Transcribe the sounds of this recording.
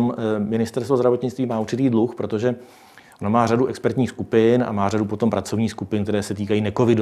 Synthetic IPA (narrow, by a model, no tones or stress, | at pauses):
mmɪnɪst̪ɛɾst̪vozdɾavot̪ɲɪt͡st̪viːmaːʔuɾt͡ʃɪt̪iːdluxpɾo̞t̪o̞ʒɛ | ʔonomaːraduʔɛkspɛɾt̪ɲiːxskupɪnʔa̰maːradupo̞t̪o̞mpɾat͡so̞vɲiːskupɪnkt̪ɛɾɛːsɛt̪iːkajiːnɛkovɪdo